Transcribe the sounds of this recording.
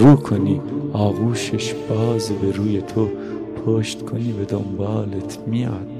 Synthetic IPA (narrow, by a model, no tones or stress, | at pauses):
ɾukʰoniaːɣuʃeʃb̥aːzebeɾujet̪ʰo | pʰoːʃt̪kʰonived̪ombɑːlet̪ʰmia̰ːt̪̚